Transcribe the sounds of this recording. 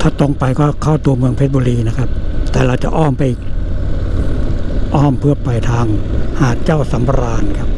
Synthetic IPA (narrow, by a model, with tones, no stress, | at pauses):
t̪ʰaː˥˩t̪o˧ŋpa˧jkɔː˥˩kʰa˥˩wt̪u˧ɐmɯ˧əŋpʰe˦˥t̪̚bo˧ɾiː˧na˦˥kʰa˦˥p̚t̪ɛː˨˩ɾa˧wt͡ɕa̰˨˩ʔɔː˥˩mpa˧˩jʔ | ʔɔː˥˩mpʰɯ˥˩əpa˧jt̪ʰaː˧ŋhaː˨˩t̪̚t͡ɕaː˥˩wsa˩˦m˧ɾaː˧nkʰa˦˥p̚